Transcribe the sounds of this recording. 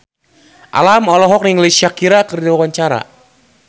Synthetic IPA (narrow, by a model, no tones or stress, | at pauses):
ʔa̰lamɔlɔɦɔk̚niŋlesiakiɾakərdiwawaɲt͡ʃaɾa̰